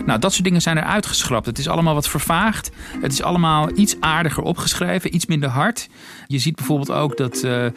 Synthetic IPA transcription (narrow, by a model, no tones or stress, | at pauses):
nawdɑtsʊːdɪŋənzɛjnɛɹʔœ̰ɥtχə̥sχrɑp̚tətɪsɑ̰ləmaːlˠʋɑtfəɹvaːχtɦətɪsɑ̰ləmaːlˠitsaːɹdəχəɹʔɔ̰pχəsχrejvəʔitsmɪndəɹɦɑɹt | jəzid̚bɛjvʊːɹbɪlˠto̰wkdɑt